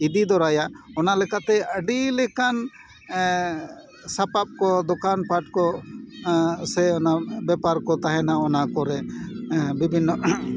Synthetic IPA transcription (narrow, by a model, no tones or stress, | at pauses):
id̪id̪ɔɾajaɔnalɛkaʔt̪ɛəɖilɛkan | sapap̚kɔd̪ɔkanpaʈkɔ | sɛɔnabɛpaɾkɔt̪aɦɛ̃naɔnakɔɾɛ | bibʱinːɔ